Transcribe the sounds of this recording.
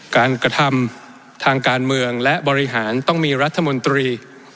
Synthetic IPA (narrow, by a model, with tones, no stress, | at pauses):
kaː˧nkɾa˧t̪ʰa˧m | t̪ʰaː˧ŋkaː˧nmɯ˧əŋlɛ˦˥ʔbɔː˧ɾi˦ɦaː˩˦nt̪ɔ˥˩ŋmiː˧ɾa˦˥t̪ʰːa˧mo˧nt̪ɾiː˧